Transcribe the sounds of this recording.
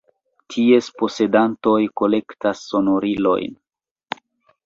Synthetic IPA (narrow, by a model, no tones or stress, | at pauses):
tʰie̞spo̞se̞danto̞jko̞le̞ktasːo̞no̞ɾilo̞̰jn